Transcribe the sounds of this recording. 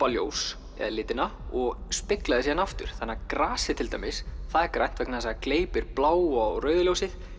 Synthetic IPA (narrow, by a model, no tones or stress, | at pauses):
paljo̰ws | ɛ̰ðlɪːt̪ɪnaɔɣspɪklaðɪsjɛanaft̪ʏ̰ɾ̥θanːakɾaːsɪt̪ʰɪlt̪ajmɪsθaðɛɾkɾa̰jn̥t̪vɛknasaakleːjpɪɾplaːwawrœːɥðʏljowsɪð